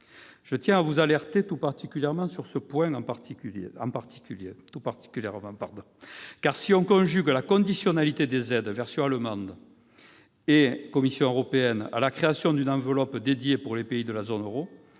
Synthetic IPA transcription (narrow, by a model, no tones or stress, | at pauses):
ʒ̥ət̪jɛ̃avuzalɛʁt̪et̪upaʁt̪ikʲyljɛʁmɑ̃syʁsəpwɛ̃ɑ̃paʁt̪ikyeɑ̃paʁt̪ʰi̥kʲyljet̪upaʁt̪i̥kʲyljɛʁmɑ̃paʁd̪ɔ̃kaʁsiɔ̃kɔ̃ʒyɡlakɔ̃d̪isjɔnalit̪ed̪ezɛd̪vɛʁsjɔ̃aləmɑ̃d̪ | ekɔmisjɔ̃øʁɔpeɛna̰lakχeasjɔ̃d̪ynɑ̃vəlɔpd̪ed̪jepuʁlepeid̪əlazɔnøʁo